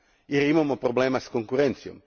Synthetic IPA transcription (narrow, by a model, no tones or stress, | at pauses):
iɾimamopɾoblemaskõŋkuɾẽnt̪sjõm